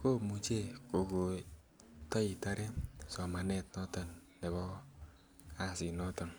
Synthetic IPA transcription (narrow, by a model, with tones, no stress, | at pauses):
ko˦mu˨t͡ʃe˦ko˨ɡo˨ | tɔ˦i˨ta˦ɾe˦sɔ˨ma˨ne˦˨t̚nɔ˦tə˨nː | ɛ˨βɔ˦ | a˦˨si˨nɔ˦tə˨n